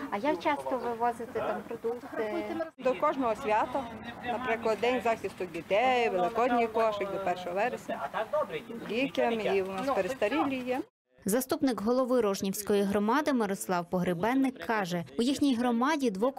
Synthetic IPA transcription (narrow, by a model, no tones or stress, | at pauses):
ɐjakt͡ʃɑst̪ɔʋɪʋɔzɪt̪ɛt̪ɑmpɾɔd̪ukt̪ɪd̪ɔkɔʒnɔɦɔsʲʋʲɑt̪ɐnɐpɾɪklˠɐd̪ːɛnʲzɑxʲɪst̪ʊdʲit̪ɛjʋelˠɪkɔd̪ʲnʲijk̪ɔʃɪk̚ʲd̪ɔpɛrʃɔɦɔʋɛɾesʲnʲɐ | dʲikʲɐmiʊnɑspeɾed̪st̪ɐɾʲilʲijɛ | zɐst̪upnɪɡɦɔlˠɔʋɪɾɔʒnʲiwsʲkɔjiɦɾɔmɑd̪ɪmɪɾɔslˠɑwpɔɦɾɪbɛnːɪkʰːɑʒɛujixnʲijɦɾɔmɑdʲid̪ʋɔ